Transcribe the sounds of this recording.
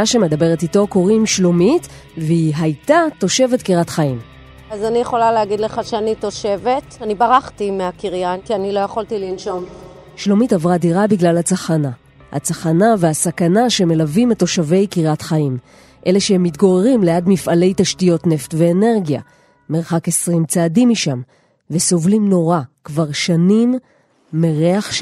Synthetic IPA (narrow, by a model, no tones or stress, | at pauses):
aʃeme̞dabe̞ʁetito̞ko̞ʁimʃlomit | veiɦajtato̞ʃe̞vetkiʁatχaim | azanijeχo̞laleaɡid̪leχaʃeanito̞ʃe̞vetanibaʁaχtimeakiʁjankianilo̞jeχoltilinʃo̞m | ʃlomitavʁadiʁabiɡlalhat͡saχana | ha̰t͡saχanaveasakanaʃeme̞lavimeto̞ʃave̞jkiʁatχaim | ʔe̞le̞ʃehe̞mːitɡo̞ʁeʁimleadmifale̞jtaʃtijo̞tne̞ftve̞ːne̞ʁɡja̰ | me̞ʁχakesʁimt͡saːdimːiʃam | veso̞vlimno̞ʁakvaʁʃanimː | eʁe̞aχʃ